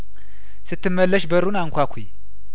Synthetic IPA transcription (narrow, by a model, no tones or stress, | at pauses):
sɨt̪ːɨmːəlːəʃbəɾunaŋkʷakʷʰi